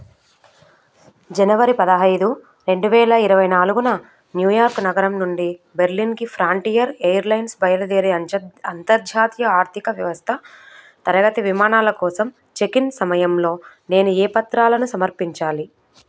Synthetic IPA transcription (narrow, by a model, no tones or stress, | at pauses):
d͡ʒɐnɐʋɐɾipɐd̪ɐɦɐjd̪u | ɾe̞ɳɖuʋɛːlɐiɾɐʋɐjnaːluɡunɐ | njuːjaːɾknɐɡɐɾɐmnuɳɖi | be̞ɾlinkipʰɾaːɳʈiːjɐɾeːjɐɾlɐjnsbɐjɐlɐd̪eːɾiɐnt̪ɐɾd͡ʒ̪ʱjaːt̪jɐaːɾt̪ʰikɐʋjɐʋɐst̪ʰɐ | t̪ɐɾɐɡɐt̪iʋimaːnaːlɐkɔːsɐm | t͡ʃe̞kinsɐmɐjɐmlo̞ː | ne̞ːnuɛːpɐt̪ɾaːlɐnusɐmɐɾpiɲt͡ʃaːli